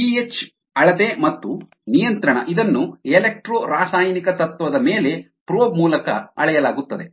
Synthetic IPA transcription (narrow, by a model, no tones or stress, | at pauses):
piet͡ʃ | ɐɭɐt̪emɐt̪ːu | nijɐnt̪ɾɐɳɐ̰ʔid̪ɐnːuelek̚ʈɾoːɾaːsaːjɐnikɐt̪ɐt̪ːʋɐd̪ɐme̞ːle̞ | pɾoːbmuːlɐkɐɐ̰ɭɛjɐlaːɡut̪ːɐd̪e̞